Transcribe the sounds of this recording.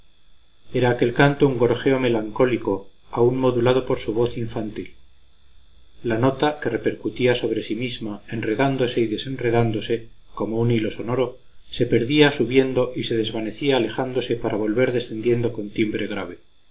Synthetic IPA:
e̞ɾaːke̞lkant̪ouŋɡoɾxe̞o̞me̞laŋko̞liko̞aunmo̞ðulað̞o̞poɾsuβ̞o̞θiɱfant̪il | ano̞t̪ake̞re̞pe̞ɾkut̪iaso̞β̞ɾe̞simizmae̞nre̞ðand̪o̞se̞iðe̞se̞nre̞ðand̪o̞se̞ | ko̞mounilo̞so̞no̞ɾo̞ | se̞pe̞ɾðiasuβje̞nd̪o̞ʔise̞ð̞e̞zβane̞θiaːle̞xand̪o̞se̞paɾaβ̞o̞lβe̞ɾðe̞sθe̞nd̪je̞nd̪o̞ko̞nt̪imbɾe̞ɣ̞ɾaβ̞e̞

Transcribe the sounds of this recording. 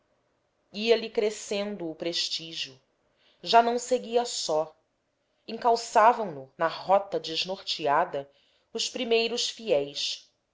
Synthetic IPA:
iɐlikɾesẽnd̪ʊːpɾeʃt͡ʃiʒiu | ʒanɐ̃w̃seɡiɐsɔ | ĩŋkawsavɐ̃w̃nʊnɐhɔt̪ɐd͡ʒɪʒnoχt͡ʃiad̪ɐ | ʊspɾimejɾʊʃfiɛjs

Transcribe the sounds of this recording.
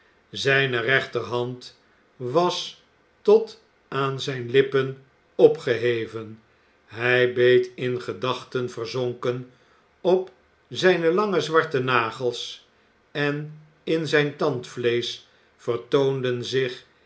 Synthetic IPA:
zɛjnərɛχtərɦɑnt | ʋɑs | tɔt | aːnzɛjnlɪpən | ɔpχəɦejvən | ɦɛjbejtɪnχədɑχtənvərzoŋkən | ɔp | zɛjnəlɑŋəzʋɑɹtənaːχəlˠs | ɛn | ɪnzɛjntɑntflejs | fərtowndənzɪχ

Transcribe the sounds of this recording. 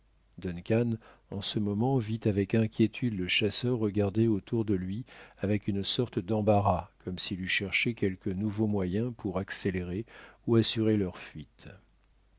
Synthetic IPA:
d̪ɔnkʲan | ɑ̃səmɔmɑ̃vit̪avɛkɛ̃kʲjet̪ʰyd̪ləʃasœʁːəɡaʁd̪eot̪ʰuʁd̪əlɥiavɛkynsɔʁt̪əd̪ɑ̃baʁakʰɔmsilyʃɛʁʃekʲɛlkənuvomwajɛ̃pʰuʁakseleʁeuasyʁelœʁfɥit̪

